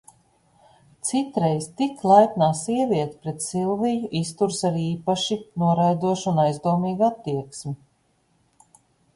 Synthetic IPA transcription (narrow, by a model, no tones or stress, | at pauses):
t̪sit̪ɾejst̪iklˠajt̪naːsiɛvʲiɛt̪i̥pɾet̪silˠvijuʔist̪uɾsaɾiːpaʃinuɔɾajd̪uɔʃunajzd̪uɔmiːɡat̪ːiɛksmʲi